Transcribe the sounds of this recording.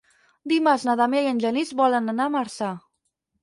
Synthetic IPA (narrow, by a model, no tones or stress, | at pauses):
d̪imaznaðameiənʲʒənizbɔlənanamaɾsa